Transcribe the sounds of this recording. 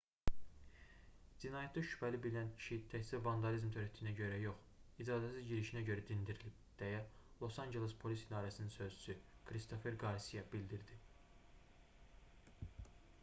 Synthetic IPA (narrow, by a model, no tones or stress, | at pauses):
d͡ʒinɑjet̪d̪ɑʃy̥pʰælibilinæncʰi̥ʃit̪ʰæçsiɾvɑnd̪ɑlizmt̪ʰøɾæt̪ːijinæɟøɾæjo̞χ | id͡ʒɑːd̪æsizɟiɾiʃinæɟøɾæd̪ind̪iɾilib̥̚d̪̥æjælˠo̞sɑnd͡ʒe̞lespʰo̞lisid̪ɑːɾæsininsø̞zd͡ʒy̥sykʰɾist̪ʰo̞fe̞ɾɡɑɾsijɑbild̪iɾd̪i